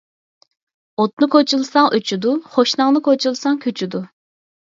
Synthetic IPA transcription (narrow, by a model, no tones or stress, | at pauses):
ot̪nɨkʰot͡ʃʰulˠsɑŋʔyt͡ʃʰyd̪uχoʃnɑŋnɨkʰot͡ʃʰulˠsɑŋkʲʰøt͡ʃʰyd̪u